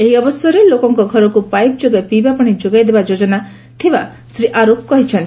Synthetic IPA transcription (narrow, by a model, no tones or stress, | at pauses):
eɦiɔbɔsjɔɾelokɔŋkɔɡʱɔɾɔkupajp̚d͡ʒoɡapibapɔɽ̃id͡ʒoɡajd̪ebad͡ʒod͡ʒɔna | t̪ʰiba | sɾiʔaɾop̚kɔɦit͡ʃʰɔnt̪i